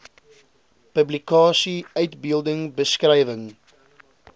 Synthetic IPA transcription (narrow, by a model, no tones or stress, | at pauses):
pəblikɑːsiœɥtbilˠdəŋbəskrɛjvəŋ